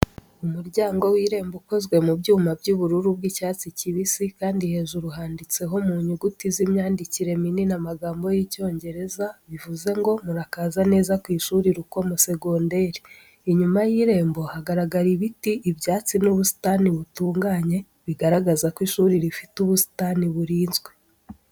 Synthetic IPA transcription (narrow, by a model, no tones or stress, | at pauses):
umuɾɟaːŋɡo̞wiːɾe̞ːmboko̞zɡwe̞mubɟuːmabɟuβuɾuɾubɡicaːt͡siciβisikaːndihe̞ʒuɾuɦaːndit͡se̞ɦo̞muɲuɡutizimɲaːndiciɾe̞mininamaɡaːmbo̞jico̞ːɲɟe̞ɾe̞zaβivuze̞ŋɡo̞muɾakaːzane̞ːzakwiːʃuːɾiɾuko̞muse̞ɡonde̞ɾi | iɲumajiːɾe̞ːmbo̞haɡaɾaɡaɾiβitiʔːbjaːt͡sinuβusi̥taːniβutuːŋɡaːɲe̞ | βiɡaɾaɡazakwiʃuɾiɾifituβusi̥taːniβuɾiːnzɡwe̞